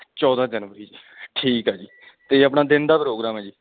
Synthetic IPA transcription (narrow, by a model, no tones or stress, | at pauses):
t͡ʃɔːd̪ãːd͡ʒənʋəɾiːd͡ʒiːʈʰiːkɦaːd͡ʒiː | t̪eəpnaːd̪ɪnd̪aːpɾoːɡɾaːmɦɛ̃ːd͡ʒiː